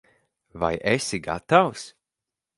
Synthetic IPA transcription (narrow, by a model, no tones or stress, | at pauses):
va̰jʔesiɡa̰t̪aws